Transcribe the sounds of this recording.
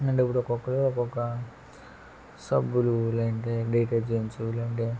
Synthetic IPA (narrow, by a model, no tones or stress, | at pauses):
ɐɳɖepːuɽɔkɔkːɐluɔkɔkːɐ | sɐbululɐɳʈeɖejʈad͡ʒeːɲt͡ʃulɐɳʈeː